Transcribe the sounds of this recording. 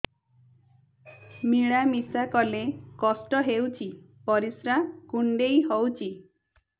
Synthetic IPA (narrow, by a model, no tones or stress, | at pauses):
miɭamisakɔlekɔsʈɔɦewt͡ʃʰi | pɔɾisɾakuɳɖejɦɔwt͡ʃʰi